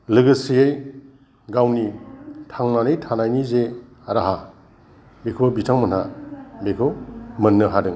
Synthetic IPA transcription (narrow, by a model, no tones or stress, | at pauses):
lɯɡɯsijej | ɡawnitʰaŋnanejtʰanajnize | aɾaɦa | bekʰobitʰaŋmɐnhabekʰowmɐnːɯɦadɯŋ